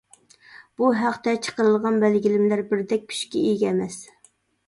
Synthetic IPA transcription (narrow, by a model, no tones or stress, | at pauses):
b̥uɦæqt̪ɛt͡ʃʰə̥qəɾɨlˠʁɑnbælɡʲilɪmlæɾbɪɾd̪ɛk̚ʲkʲʰy̥ʃkʲiijɡʲɛɛmɛs